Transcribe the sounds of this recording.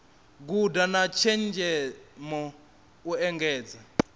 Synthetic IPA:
ɡ̬udanat͡ʃʰɛnd͡ʒʱɛmɔ | uɛŋɡɛːd͡za

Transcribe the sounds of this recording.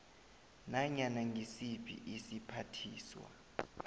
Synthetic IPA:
naɲanaŋɡʱisipʰʼḭʔisipʰatʰiːswa̰

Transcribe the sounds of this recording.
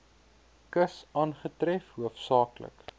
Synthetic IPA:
kəsɑːnχətɾɛfhuəfsɑːklə̰k

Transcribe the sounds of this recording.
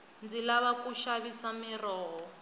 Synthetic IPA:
nd͡zilaβakuʃaβisamirɔːɦɔ

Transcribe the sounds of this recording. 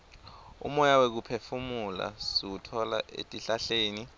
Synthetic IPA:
ṵmɔjawek̬upʰefumula̰sik̬utʰɔlaʔḛtʼiɬaɬeːni

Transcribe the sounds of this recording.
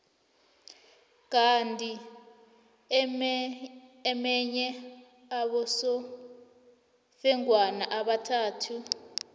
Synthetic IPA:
k̬antʼi | mɛɲɛ | aɓɔsɔ | fɛŋwanaʔaɓatʰaːtʰu

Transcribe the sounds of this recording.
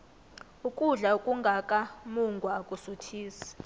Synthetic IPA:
ukʼuɮaukʼuŋɡʱakʼamuŋɡʱwaːkʼusutʰiːsi̥

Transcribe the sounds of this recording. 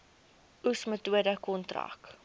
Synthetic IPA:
usmətuədəkɔntra̰k

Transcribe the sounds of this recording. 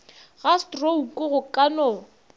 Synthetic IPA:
ɣastroukʼʊɣʊkʼanɔ

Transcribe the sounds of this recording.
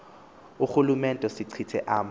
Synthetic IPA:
uxulumɛntʼɔsiǀʰitʰɛʔaːm

